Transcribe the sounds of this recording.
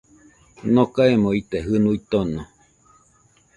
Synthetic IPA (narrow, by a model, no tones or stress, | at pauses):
nokaemõit̪eɦɨnuit̪ono